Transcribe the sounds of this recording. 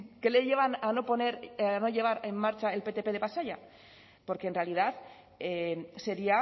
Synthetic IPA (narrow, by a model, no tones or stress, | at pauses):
ke̞le̞ʝeβ̞anano̞po̞ne̞ɾano̞ʝe̞β̞aɾe̞mːaɾt͡ʃae̞lpe̞t̪e̞pe̞ð̞e̞βasaʝa | po̞ɾkenre̞alið̞aθ | ese̞ɾia